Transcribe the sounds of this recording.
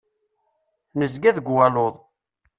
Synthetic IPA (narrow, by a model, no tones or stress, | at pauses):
nəzɡæðɡwæloðˤ